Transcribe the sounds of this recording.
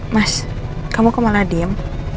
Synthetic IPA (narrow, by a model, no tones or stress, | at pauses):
mas | kamokɔmaladim